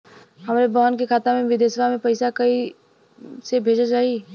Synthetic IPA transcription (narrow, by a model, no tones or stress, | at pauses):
ɦɐmaːɾebɔɦənkekʰaːt̪amẽʋɪd̪jaːsəbʱamẽpɐɪsakɐi | sebʱeːd͡ʒad͡ʒaːi